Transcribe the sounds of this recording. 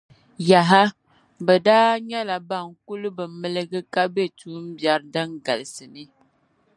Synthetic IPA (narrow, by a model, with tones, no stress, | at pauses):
ja˨ɦa˦ | bə˨daː˦ɲa˦la˨ba˦˨ŋ̩˨ku˦lə˦bə˨mə˦˨lə˦ɡə˦ka˦be˦˨tu˨˦m̩˦bja˨˦ɾda˦ŋɡa˨lsɨ˨ni˦